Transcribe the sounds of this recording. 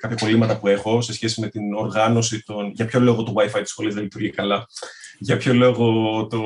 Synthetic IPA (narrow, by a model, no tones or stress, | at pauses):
kɐpçɐpo̞limɐt̪ɐpue̞xo̞se̞sçe̞sime̞t̪ino̞ɾɣɐno̞sit̪o̞nʝɐpço̞lo̞ɣot̪oɣwɐifɐit̪isxo̞lizðelit̪uɾʝikɐlɐʝɐpço̞lo̞ɣo̞t̪o